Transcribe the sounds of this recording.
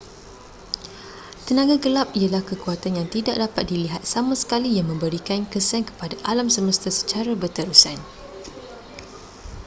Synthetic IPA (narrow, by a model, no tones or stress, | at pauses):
t̪ənãɡaɡəlap̚ijalahkəkuat̪anjaŋt̪idak̚dapat̪̚diliɦat̪̚samãsə̥kalijaŋmə̃mbəɾikankəsaŋkə̥padaʔalamsəməst̪asə̥t͡ʃaɾabərt̪əɾusan